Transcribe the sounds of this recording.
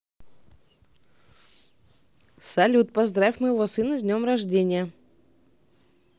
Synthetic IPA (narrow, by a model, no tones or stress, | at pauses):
sɐlʲut̪pɐzd̪ɾafʲmɨjɪvosɨnɨzʲnʲomrɐʐdʲenʲɪjə